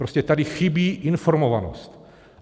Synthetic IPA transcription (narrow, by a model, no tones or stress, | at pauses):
ɾoscɛt̪adixibiːʔinfoɾmovano̰st̪